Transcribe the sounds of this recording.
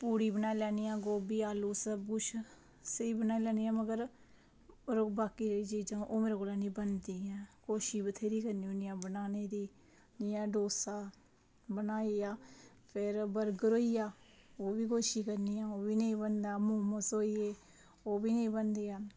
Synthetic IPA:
puːɽiːbənaːiːlɛːnijãːɡoːbiːaːluːsəɡʊʃ | səiːbənaːiːlɛːniːãːməɡəɾ | ɾbaːkiːɾəiːd͡ʒiːd͡ʒãːʔoːmeːɾaːkolaːniːbənd̪iːɛ̃ːkoːʃiːbət̪ʰeːɾiːkəɾniːoniːãːbənaːneːd̪iː | d͡ʒiːjãːɖoːsaː | bənaːiːaː | pʰɪɾbəɾɡəɾoːiːjaː | oːʋiːkoːʃiːkəɾniːãːoːbiːnəĩːbənd̪aːmoːməsoːiːeː | oːbiːnəĩːbənd̪eːaː

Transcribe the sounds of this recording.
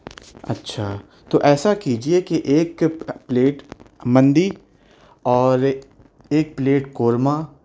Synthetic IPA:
ɐ̰tːʃʰaː | t̪oʔɛːsakiːd͡ʒiekeʔeːkpleːʈmɐ̃nd̪i | ɔːɾ | eːk̚pleːʈkoːɾma

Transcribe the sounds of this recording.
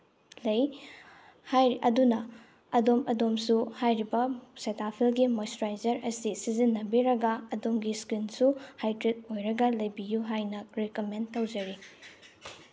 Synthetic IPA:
lɐj | hajɐdunɐ | ɐdomɐdomsuhajɾibɐsetapʰilɡimostɾajzɐɾʔɐsisizinːɐbiɾɐɡɐːdomɡiskinsuhajtɾit̚ojɾɐɡɐlɐjbijuɦajnɐɾekomentɐwd͡ʒɐɾi

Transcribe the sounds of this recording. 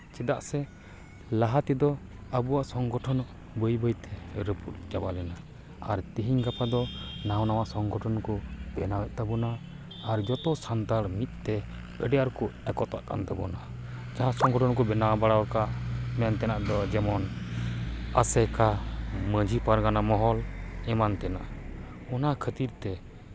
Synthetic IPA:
t͡ʃɛd̪aʔsɛ | laɦat̪id̪ɔ | əbuwaʔsɔŋɡɔʈʰɔnɔʔ | bəjbəjt̪ɛɾəpʰut̪̚d͡ʒabalɛna | aɾt̪iɦiɲɡapad̪ɔnawnawaʔsɔŋɡɔʈʰɔnkɔbɛnawɛt̪̚ˀt̪abɔnaː | ɾd͡ʒɔt̪ɔsant̪aɾmit̪̚ˀt̪ɛ | əɖɛjaɾkɔɛkɔt̪aʔka̰nt̪abɔna | d͡ʒaɦãsɔŋɡɔʈɔnkɔbɛnaabaɽawkamɛnt̪ɛnaʔd̪ɔd͡ʒɛmɔn | a̰sɛkaməd͡ʒʱipaɾɡanamɔɦɔlɛmant̪ɛnaʔ | ɔnakʰət̪iɾt̪ɛ

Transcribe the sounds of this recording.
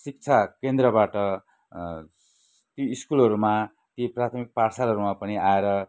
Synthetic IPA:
sik̚t͡sʰakend̪rʌbaʈʌ | t̪joiskulʌɾuma | t̪jiprat̪ʰʌmik̚parsalʌɾumapʌniaeɾʌ

